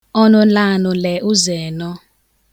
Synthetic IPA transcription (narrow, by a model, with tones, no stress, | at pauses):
ɔ˦nɔ˦la˦nɔ˨lɛ˨ʔu˦zɛː˨nɔ˦